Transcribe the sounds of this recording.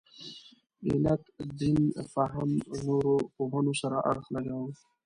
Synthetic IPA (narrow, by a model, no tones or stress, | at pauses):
ḭnat̪d̪infaɦamnoɾopoɦənosaɾaʔa̰ɾxlaɡaw